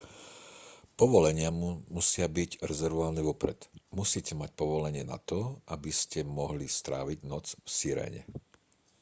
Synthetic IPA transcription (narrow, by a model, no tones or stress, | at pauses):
pɔʋɔlɛɲɪamusɪabiɟɾɛzɛɾʋɔaːlnɛʋɔpɾɛ̰t̪musiːcɛmac̚pɔʋɔlɛɲɪɛna̰t̪ɔʔabiscɛmɔɦlist̪ɾa̰ːʋiɟnɔt͡sfsiːɾɛ̰ːɲɛ̰